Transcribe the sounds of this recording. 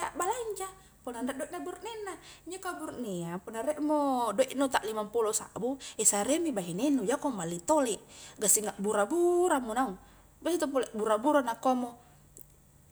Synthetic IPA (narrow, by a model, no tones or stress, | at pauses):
jaʔbalaiɲd͡ʒa | pɔnandadoiʔnaburnɛnːaiɲd͡ʒokaburneapunaɾɛʔmodoiʔnot̪aʔlimampulosa̰buɛsaɾemibaɦinenud͡ʒakɔmalːit̪olɛʔɡasiŋaʔbuɾabuɾamonauŋ | basit̪opɔlɛʔbuɾabuɾanakomo